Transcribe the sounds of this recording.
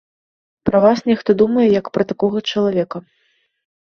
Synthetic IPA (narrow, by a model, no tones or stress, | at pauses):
pɾɐvasnʲɛxt̪ɔd̪umɐjɛjɐkpɾɐt̪akɔɣɐt͡ʂɐlˠavʲɛkɐ